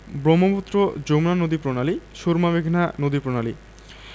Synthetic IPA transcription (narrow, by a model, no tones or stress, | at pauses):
bɾomːoput̪ːɾod͡ʑomnanod̪ipɾonaliʃuɾmaβeɡʱnanod̪ipɾonali